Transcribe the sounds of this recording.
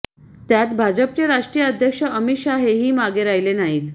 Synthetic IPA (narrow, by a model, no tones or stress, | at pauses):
t̪jat̪bʱad͡ʑəpt͡ɕeɾaʂʈɾijəəd̪ʱjəkʂəʔəmit̪ɕaɦeɦiːmaɡeɾajlenaɦiːt̪